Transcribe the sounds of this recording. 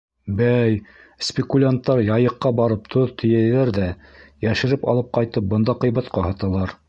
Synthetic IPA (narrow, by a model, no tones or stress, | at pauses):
bæj | spʲɪkulʲant̪ːɑɾjɑjɤ̆qːɑbɑɾɤp̚t̪ʰoðt̪ʰɵ̆jæjðæɾðæjæʃɘ̆ɾɘpɑ̰lˠɤp̚qɑjt̪ɤp̚bɤ̆nd̪ɑqɤ̆jβɑt̪qɑhɑt̪ɑlˠɑɾ